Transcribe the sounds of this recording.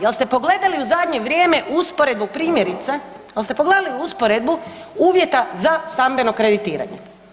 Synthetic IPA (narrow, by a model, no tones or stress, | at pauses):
jelst̪e̞po̞ɡle̞d̪aliuzad̪ɲeʋɾʲjeːme̞ʔuspoɾed̪̚bupɾiːmʲjeɾit̪se | jelst̪e̞poɡle̞d̪aliuuspoɾed̪buuːʋje̞t̪azast̪ambe̞no̞kɾed̪it̪iːɾa̰ɲḛ